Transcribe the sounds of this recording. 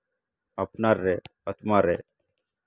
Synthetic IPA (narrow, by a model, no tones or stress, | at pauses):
apnaːɾːeːət̪maːɾeː